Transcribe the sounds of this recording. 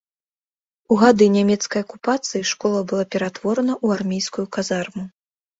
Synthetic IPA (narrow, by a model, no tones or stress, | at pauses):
uɣad̪ɨnʲamʲɛt̪skɐjɐkupat̪sɨjiʂkɔlˠɐbɨlˠapʲɛɾat̪vɔɾɐnɐʔuarmʲejskujukazarmu